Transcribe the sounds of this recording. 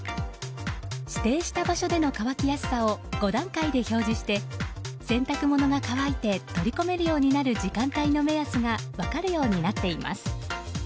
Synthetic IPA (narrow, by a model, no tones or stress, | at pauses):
ɕi̥t̪e̞ːɕi̥t̪abaɕo̞d̪e̞no̞kaβakʲijasɨ̥sao̞ɡ̥o̞d̪ãŋkaid̪e̞ço̞ːʑiɕi̥t̪e̞sẽ̞nt̪akɯ̟mo̞no̞ɡakaβait̪e̞t̪o̞ɾʲiko̞me̞ɾɯ̟jo̞ːɲ̟inaɾɯ̟d͡ʑikãnt̪aino̞me̞jasɨɡaβakaɾɯ̟jo̞ːɲ̟inat̪ːe̞ima̰sɨ̥